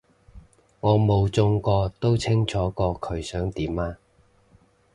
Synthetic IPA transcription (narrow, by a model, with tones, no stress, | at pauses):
ŋɔː˨˧mo˨˧wt͡sʊ˧ŋkɔː˧t̪o˥wt͡sʰɪ˥ŋt͡ʃʰɔː˨˥kɔː˧kʰɵ˨˧ɥsœː˨˥ŋt̪iː˨˥maː˧